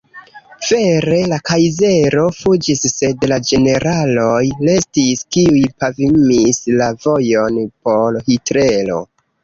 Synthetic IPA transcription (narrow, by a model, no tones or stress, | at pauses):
v̥e̞ɾe̞lakajze̞ɾo̞fud͡ʒisːe̞dlad͡ʒe̞ne̞ɾalojle̞stiskiujpavimislavo̞jo̞npo̞lhitɾe̞lo̞̰